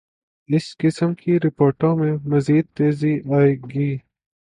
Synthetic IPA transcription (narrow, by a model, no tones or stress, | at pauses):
ɪskɪsəmkʰiɾɪpoːɾʈõmẽmɐziːd̪̚t̪eːziaːeːɡiː